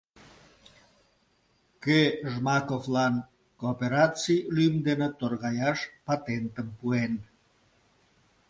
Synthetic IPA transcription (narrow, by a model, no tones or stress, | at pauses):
keʒmɑkoflɑn | koːpeɾɑt͡silymd̪enət̪orɣɑjɑʃpɑt̪ent̪əmpuen